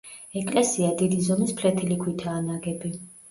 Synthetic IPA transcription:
ɛkʼlɛsiad̪id̪izɔmispʰlɛt̪ʰilikʰwit̪ʰaːnaɡɛbi

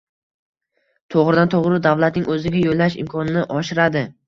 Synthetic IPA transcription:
t̪ʰoʁɾɪd̪ant̪ʰoʁɾɪd̪avlat̪nɪŋʔɵzɪɡʲajolːaʃɪ̰mkʰɒnɪnɪʔɒʃɪɾad̪ɪ

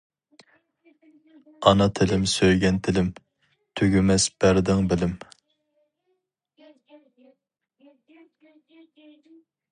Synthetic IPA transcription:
ɑnɑt̪ʰɪlɪmsøjɡʲɛnt̪ʰɪlɪm | t̪ʰøɡʲymɛsb̥æɾd̪ɪŋbɪlɪm

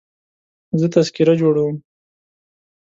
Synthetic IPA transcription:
zət̪askiɾad͡ʒoɽawəm

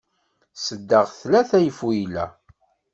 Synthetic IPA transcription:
səd̪ːəʁθlæθæjəfujilæ̰

